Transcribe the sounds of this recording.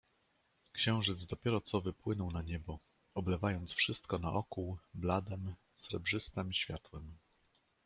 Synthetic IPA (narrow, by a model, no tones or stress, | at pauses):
kɕɛ̃w̃ʐɘd̪zd̪ɔpʲjɛɾɔt̪sɔvɘpwɘnɔwnaɲɛbɔ | ɔblɛvajɔnt̪sfʂɘst̪kɔnaʔɔkuwblad̪ɛm | sɾɛbʐɘst̪ɛmiɕfʲjat̪wɛm